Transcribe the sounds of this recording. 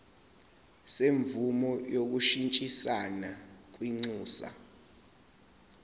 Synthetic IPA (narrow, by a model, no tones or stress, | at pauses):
seɱvumɔjok̬uʃint͡ʃʼisanak̬wiŋ͡ǀuːsa̰